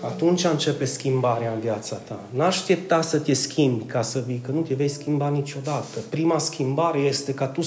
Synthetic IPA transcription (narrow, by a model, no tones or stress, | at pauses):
at̪unt͡ʃʲaɨnt͡ʃe̞pe̞skʲimbaɾeaɨnvjat̪sat̪a̰naʃʃt̪ep̚t̪asət̪ʲe̞skʲʰimbʲkasəvijkənut̪eve̞jskʲimbanit͡ʃo̞d̪at̪əpɾimaskʲʰimbaɾe̞je̞st̪e̞kat̪u